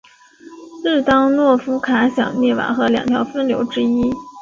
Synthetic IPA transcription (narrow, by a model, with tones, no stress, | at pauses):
t̪ɑ˥ŋnwɔ˥˩fu˥kʰa˧˥ɕjɑ̰˨˩ŋnjɛ˥˩wa̰˨˩˦xɤ˧˥ljɑ̰˨˩ŋt̪ʰjɑ˧˥ʊfə˥nljo˧˥ʊʈ͡ʂɻ̩˥i˥